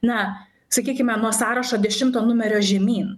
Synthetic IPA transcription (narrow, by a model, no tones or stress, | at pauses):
nɐ | sɐkʲiːkʲɪmʲɛnuɔsɑːɾɐʃoːd̪ʲɛʃʲɪmt̪oːnʊmʲɛɾʲoːʒʲɛmʲiːn